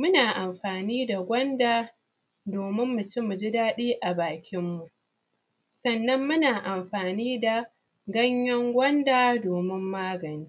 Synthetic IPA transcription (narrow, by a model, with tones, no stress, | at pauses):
mʊ˦naː˨ʔa˨mɸaː˨niː˦da˨ɡʷɐ˦ndaː˨ | doː˨mɪ˦mːʊ˨t͡ʃɪ˦mːu˨d͡ʒɪ˦daː˦ɗiː˦ʔa˨baː˨kʲɪ˦mːu˨ʔ | sɐ˨nːɐ˦mːʊ˦naː˨ʔa˨mɸaː˨niː˦da˨ | ɡɐ˦ɲjɐ˦ŋɡʷɐ˦ndaː˨doː˨mɪ˦mːaː˦ɡɐ˨niː˦